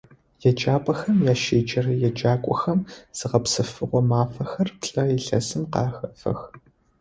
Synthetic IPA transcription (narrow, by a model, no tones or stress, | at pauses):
jɛd͡ʒʼaːpʼɐxɐmjaːʃeːd͡ʒɐrɐjɛd͡ʒaːkʷʼɔxɐmz̥ɨʁɐpsɨfɨʁʷɔmaːfɐxɐrpɬʼɐjɛɬɐ̰sɨmqɑːxɐfɐ̰x